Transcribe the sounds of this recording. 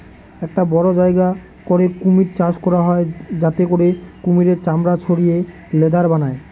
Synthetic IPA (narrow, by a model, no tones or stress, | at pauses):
ɛk̚ʈabɔɾod͡ʑaeɡa | koɾekumiɾt͡ɕaʃkɔɾaɦɔed͡ʑat̪ekoɾekumiɾeɾt͡ɕamɾat͡ɕʰoɽije | led̪ʱaɾbanae